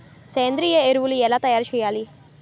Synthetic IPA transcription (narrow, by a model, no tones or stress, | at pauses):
sejɐnd̪ɾiːjɐeɾuʋuluɛlaːt̪ɐjaːɾut͡ʃɛːjaːli